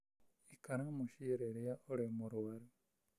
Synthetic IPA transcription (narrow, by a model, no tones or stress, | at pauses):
ikaɾamuʃiɾeɾejaʔoɾemuɾuwaɾi